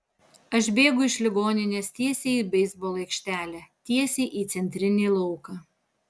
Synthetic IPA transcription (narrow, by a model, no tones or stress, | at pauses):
ɐʃʲbʲeːɡʊɪʃlʲɪɡoːnʲɪnʲeːst̪ʲiɛsʲeːiːbʲɛɪzboːlˠɐɪkʃʲt̪ʲæːlʲæt̪ʲiɛsʲeːʔiːt̪sʲɛnʲt̪ʲɾʲɪnʲeːlˠɔʊkɑː